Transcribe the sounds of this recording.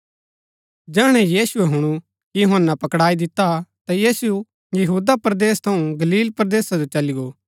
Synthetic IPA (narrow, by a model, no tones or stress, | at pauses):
d͡ʒɛːɽ̃ɛjiːsʊeɦʊɽ̃u | jʊɦɐnːapɐkɽaːid̪ɪt̪at̪ajiːsu | jɐɦuːd̪apɾɐd̪eːst̪ʰɐũɡɐliːlpɾɐd̪eːsad͡ʒot͡ʃɐlɪɡoː